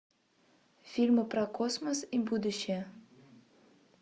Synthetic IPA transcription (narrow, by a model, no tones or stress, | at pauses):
fʲilʲmɨpɾɐkɔsmɔsibud̪uɕe